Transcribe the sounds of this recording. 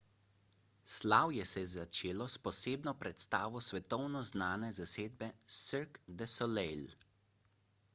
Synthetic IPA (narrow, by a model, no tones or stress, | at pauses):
slaːwjɛsɛzat͡ʃeːlɔspɔseːbnɔpɾɛt̪st̪aːʋɔsʋɛt̪ɔwnɔznaːnɛzaseːd̪̚bɛsiɾkd̪ɛsɔlɛjl